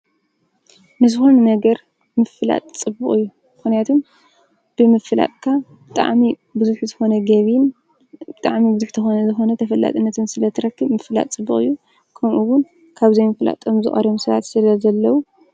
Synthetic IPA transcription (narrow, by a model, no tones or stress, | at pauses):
nɨzɨxo̞nɐnɐɡɐɾ | mɨfɨla̰t̪ʼt͡sʼɨbɨχʼɨjːu | mɨxnijat̪ʰom | b̥ɨmɨfɨla̰t̪ʼkʰabɨt̪ʼa̰ʕmi | bɨzuħzɨxo̞nɐɡɐβin | bɨt̪ʼaʕmibɨzuħt̪ʰɨxo̞nɐzɨxo̞nɐt̪ʰɐfɐlːa̰t̪ʼɨnːɐt̪ʰɨnsɨlɐt̪ʰɨɾɐkʰːɨβmɨfɨla̰t̪ʼt͡sʼɨbːɨχʼɨ̰jːu | kʰɐmʔuwʊn | kʰaβzɐjmɨfla̰t̪ʰʼːo̞mzɨ̰ʔʼɐ̰ɾomsɐβa̰t̪sɨlɐzɐlːɐwu